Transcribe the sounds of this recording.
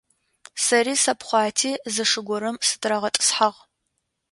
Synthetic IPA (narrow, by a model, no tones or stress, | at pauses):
sɐriːsɐpχʷɑːtʰiːzɨʂɨɡʷɔɾɐmsɨ̥tʰɾɐʁɐtʼɨ̥sħaʁ